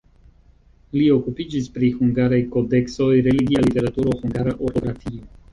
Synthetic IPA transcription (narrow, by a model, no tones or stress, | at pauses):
lio̞kupid͡ʒispɾihuŋɡaɾajko̞de̞kso̞jɾe̞liɡialite̞ɾatuɾo̞xuŋɡaɾaʔoɾto̞ɡɾatio